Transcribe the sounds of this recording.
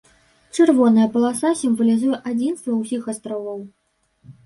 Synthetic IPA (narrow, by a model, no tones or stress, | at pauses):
t͡ʂɨrvɔnɐjɐpɐlˠasasʲimvɐlʲizujɛʔad͡zʲinst̪vɐwsʲixast̪ɾɔvɐw